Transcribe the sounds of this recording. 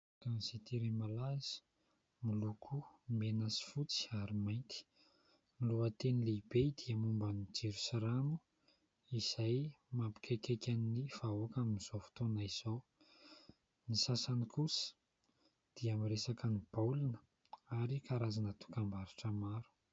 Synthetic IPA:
kanisit̪iɾemalaz̥i̥ | milukʰumenasi̥fut͡si̥aɾimajnt̪i̥ | niluət̪enilebed̪iəmumbanid͡ʒeɾusaɾamu | iz̥ajmampi̥kʰekekʲaniniv̥aoakaminiz̥ofu̥t̪onaiz̥ow | nisasanikusə̥ | d̪̥iamiɾesakənib̥awlinə̥ | aɾikaɾazanət̪u̥kambaɾiʈ͡ʂəmaɾu̥

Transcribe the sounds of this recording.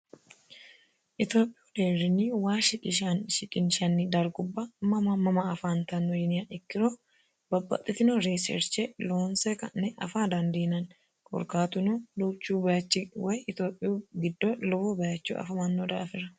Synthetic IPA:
ʔɪt̪joːpʼːɪud̪eːɾɪniːwaːʃɪᶑʼɪʃɐnʃɪᶑʼɪnʃɐnːid̪ɐɾɡʊbːɐmɐmɐmɐmɐːfaːnt̪ɐnɔjɪnɪaɪkːɪɾoː | bɐbːɐ̰t̪ʼːɪt̪ɪnoɾesɛ̰ɾt͡ʃeloːnsekɐ̰nːɛʔɐ̰faːd̪ɐnd̪eːnɐn | kʼɔ̰ɾkaːt̪ʊnuːluːt͡ʃːuːbɐjɐt͡ʃːɪwɐjɪt̪oːpʼːɪuːɡɪd̪ːolɔbobɐjɐt͡ʃːṵːʔɐ̰fɐmɐnːoːd̪aːfɪɾɐ

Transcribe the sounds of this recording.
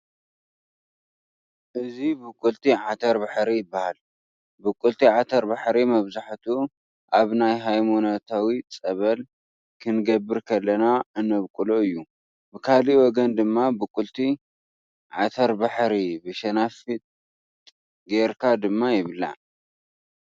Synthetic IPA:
ʔɨzibɨkʼːult̪ʰiʕat̪ʰɐɾbaħɾijɪbːahal | bɨkʼːult̪ʰiʕat̪ʰɐɾbaħɾimɐβzaħt̪ʰu | ʔaβnajɦajmonot̪ʰawit͡sʼɐβɐl | kʰɨnɡɐbːɨɾkʰɐlːɐnaɨnɐβkʼulo̞ɨjːu | bɨkʰaliwɔɡɐnd̪ɨmːabɨkʼult̪ʰi | ʕat̪ʰɐɾbaħɾibɨʃɐnafit̪ʼ | ɡeɾkʰad̪ɨmːajɪβɨlːa̰

